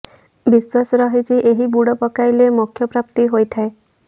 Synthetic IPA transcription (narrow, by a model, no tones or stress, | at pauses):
biswasɔɾɔɦit͡ʃiʔeɦibuɽɔpɔkajlemukʰjɔpɾapt̪iɦojt̪ʰae